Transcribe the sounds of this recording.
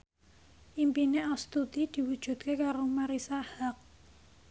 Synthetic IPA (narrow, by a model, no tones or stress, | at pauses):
ʔimpineʔɔst̪ut̪id̪̥i̤wu̥ʒ̥ṳt̪̚kekaɾomaɾisahak̚